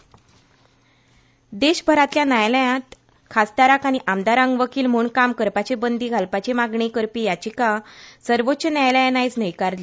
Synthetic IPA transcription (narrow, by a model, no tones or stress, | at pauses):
d̪eɕbʱəɾat̪ljanajləjãt̪ | kʰast̪aɾakañiʔamd̪aɾãŋɡʋəkiːlm̤uɳkamkəɾpat͡ɕebənd̪iːɡʱalpat͡ɕemaɡɳikəɾpiːjat͡ɕikasəɾʋotːɕənjajljnajt͡snəjkaɾle